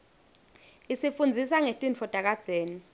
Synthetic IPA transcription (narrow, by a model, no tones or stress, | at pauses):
isifund͡zʱisaŋetʼint͡fʰɔd̥ʼʱak̬ad̥z̥ʱeːni